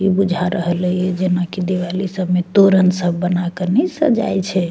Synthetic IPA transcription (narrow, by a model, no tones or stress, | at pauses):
ibud͡ʒʱaɾəɦələjɛd͡ʒenakid̪ewalisəbʱmet̪oɾənsəbʱːənakənɛsə̰d͡ʒa̰jt͡ʃʰɛ